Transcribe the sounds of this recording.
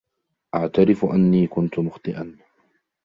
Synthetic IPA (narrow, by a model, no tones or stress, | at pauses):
ʔaʕt̪aɾɪfʔanːiːkʊnt̪ʊmʊxt̪ˤɨʔan